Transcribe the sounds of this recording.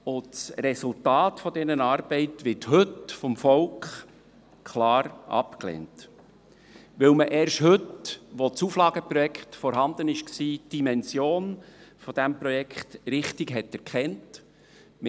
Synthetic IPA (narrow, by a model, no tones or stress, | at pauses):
ʊsrɛsʊltɑːtfɔd̥̪ɛnənɑːɾbɛɪtʋɪthɵtfɔmfɔlkχ | kʰlɑːɾʔɑ̰pklḛːnt | ʋɪlməʔɛːɾʃhɵtʋɔt͡suːflɑːɡ̥əpɾɔjɛkχtfɔɾɦɑnd̪ənɪʃksiːd̥imɛnsjoːnfɔd̥æmprɔjɛkχtɾɪχtɪɡɦɛtːɛɾkʰχɛnt | m